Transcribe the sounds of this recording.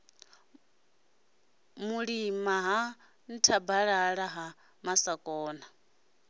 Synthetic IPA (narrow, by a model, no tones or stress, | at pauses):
muɺimaɦa | n̩tʰabaɺaːɺaɦa | masakʼɔːna